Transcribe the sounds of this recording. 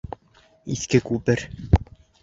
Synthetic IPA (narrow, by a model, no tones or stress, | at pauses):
iθkɘkʉpɘɾ